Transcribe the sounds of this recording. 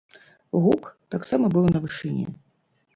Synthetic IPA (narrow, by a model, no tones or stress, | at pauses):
ɣukt̪aksamɐbɨlˠnɐvɨʂɨnʲɛ̰